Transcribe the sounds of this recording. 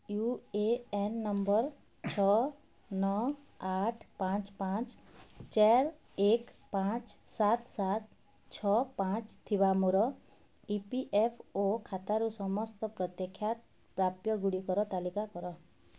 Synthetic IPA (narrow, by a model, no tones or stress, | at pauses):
jueenːɔmbɔɾ | t͡ʃʰɔ | nɔ | aʈʰpãt͡ʃpãt͡ʃt͡ʃaɾ | ekpãt͡ʃsat̪sat̪̚ | t͡ʃʰɔpãt͡ʃt̪ʰibamuɾɔ | ipiʔepʰokʰat̪aɾusɔmɔst̪ɔpɾɔt̪jekʰːjat̪̚ | pɾapjɔɡuɽikɔɾɔt̪alikakɔɾɔ